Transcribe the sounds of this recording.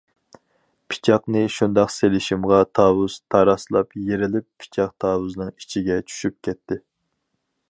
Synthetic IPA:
pʰi̥t͡ʃʰɑqnɨʃund̪ɑqselɪʃimʁɑt̪ʰɑːwuz̥t̪ʰɑɾɑslˠɑpjeɾɪlɪpːʰi̥t͡ʃʰɑqt̪ʰɑːwuznɨŋit͡ʃʰiɡʲɛt͡ʃʰy̥ʃyp̚kʲɛt̪ʰːɪ

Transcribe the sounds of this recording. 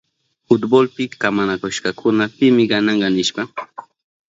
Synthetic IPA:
fʊt̪bolpɪkamanakoʃkakʰʊnapɪmɪɢɑnɑɴɢɑnɪʃpɑ

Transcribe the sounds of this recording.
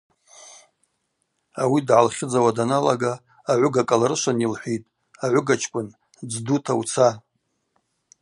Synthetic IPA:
awidʕalχʲɪd͡zawadanalaɡaː | ʕʷʊɡakʼalaɾɨʃʷanilħʷitʼ | aʕʷʊɡat͡ʃʰkʷʼʊn | d͡zdutʰawt͡sʰa

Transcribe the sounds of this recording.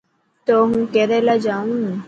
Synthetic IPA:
t̪oɦũːkeɾɛlad͡ʒaːũ

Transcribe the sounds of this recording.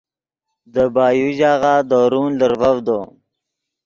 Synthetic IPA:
d̪əbɑːjuʑaːɣaːd̪oɾuːnləɾvawd̪oː

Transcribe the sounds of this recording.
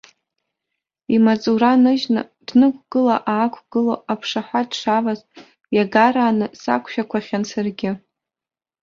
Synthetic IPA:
imat͡sʼuɾanɨʒnɨ̰ | d̥nɨkʷʰʼɡ̥ɨlaʔaːkʷʰɡ̥ɨloapʰʂaħʷadʂavaz | jaɡaɾaːnɨsa̰kʷʰʃᶣakʷʰaχʲansarɡʲɪ

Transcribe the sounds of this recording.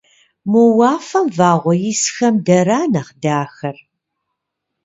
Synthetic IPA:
mowɑːfɐmvaːʁʷɔjisxɐmdɐɾaːnɐχdaːxɐr

